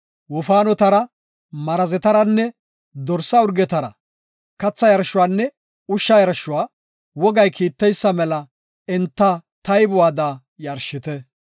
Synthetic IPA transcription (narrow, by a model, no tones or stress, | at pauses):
wɔfaːnɔt̪ɐɾɐ | mɐɾɐzɛt̪ɐɾɐnːɛ | d̪ɔɾsɐʊɾɡɛt̪ɐɾɐ̰ | kɐt͡sːɐjɐɾʃʊwaːnːɛ | ʊʃːɐjɐɾʃʊwaː | wɔɡɐjkʰiːt̪ːɛjsːɐmɛlɐ | ɪnt̪ːɐt̪ɐjbʊwaːd̪aː | jɐɾʃɪt̪ɛ